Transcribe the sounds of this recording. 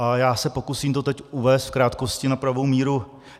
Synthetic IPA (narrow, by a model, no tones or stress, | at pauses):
ʔajaːsɛpo̞kusiːmt̪o̞t̪ɛcʔuvɛːst̪fkɾaːt̪ko̞scɪnapɾavowmiːɾu